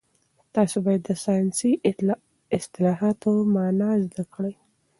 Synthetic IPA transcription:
t̪ɑsobɑjad̪ːəsɑjnsi | ɪst̪ɪlɑɦɑt̪omɑnɑzd̪akɽəj

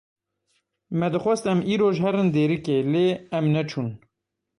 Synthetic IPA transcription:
mɛd̪ɨxʷɛst̪ɛmiːɾoːʒɦɛɾɨnd̪eːɾɨkeleːɛmnɛt͡ʃʰuːn

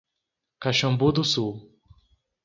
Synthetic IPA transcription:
kaʃɐ̃mbud̪ʊsuw

